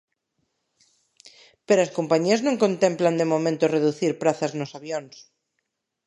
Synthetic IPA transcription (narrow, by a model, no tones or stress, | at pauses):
peɾoaskompaɲiɐznõŋkõnt̪empland̪emomẽnt̪oreðuθiɾpɾaθaznosaβjons